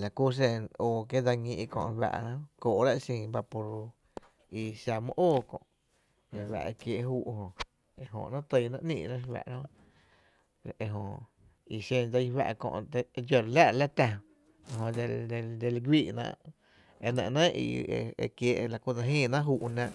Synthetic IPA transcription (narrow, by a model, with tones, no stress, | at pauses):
la˨ku˦˧s̬e˧noː˧˨ke˦d͡za˧ŋĩ˧ʔkõ̰˧ʔwa̰˧ʔã˦koː˨˦ɾa˦ʔsĩː˧˨ba˧po˧ɾ | i˧sa˧mə̰̃˦ʔoː˦˨kõ̰˧˨ | e˨wa̰˧˨e˧kje˧ʔɦuː˧ʔɦõ˨ | e˧ɦõ̰˧˨ʔnã˦t̪ə˧˨˧nã˧ʔnḭ̃ː˧˨ʔnã˦˧wa̰˧˨ʔɾa˦õ˧ | e˧ɦõ˧˨ʔ | i˧sẽ˧nd͡za˧jwa̰˧ʔkõ̰˧ʔt̪e˧d͡ʒo˧˨ɾla˦ʔla˦t̪a˧ | ɦõ˧de˧d̪e˧d̪e˧lɡwiː˦˨nã̰ː˧ʔ | e˧nə̰̃˧˨ʔnã˦ḭ˧e˧e˧kje˧˨˧la˨ku˧da˧ɦĩː˦˧˨nã˦ʔɦuː˧ʔnã˧ʔ